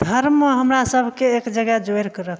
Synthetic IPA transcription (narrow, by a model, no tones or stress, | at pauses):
d̪ʱəɾmɦəmɾasəbʱkeːkd͡ʒəɡɛd͡ʒoeɾkəɾəkʰ